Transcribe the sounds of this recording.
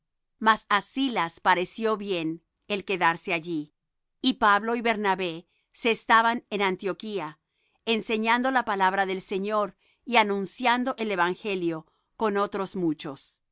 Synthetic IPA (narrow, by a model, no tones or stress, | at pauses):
masasilaspaɾe̞sjo̞βje̞n | e̞lke̞ðaɾse̞aʝiː | paβlo̞iβe̞ɾnaβe̞ | seːst̪aβanenant̪jo̞kia | ense̞ɲand̪o̞lapalaβɾaðe̞lse̞ɲo̞ɾ | ianũnsjand̪o̞ʔele̞βaŋxe̞ljo̞ | ko̞no̞t̪ɾo̞zmut͡ʃo̞s